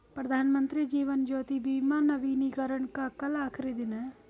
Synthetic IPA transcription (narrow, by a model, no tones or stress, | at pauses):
pɾəd̪ʱaːnmənt̪ɾiːd͡ʒiːʋənd͡ʒoːt̪ibiːmãːnəʋiːnikəɾəɳkaːkəlaːkʰɾid̪ɪnɛː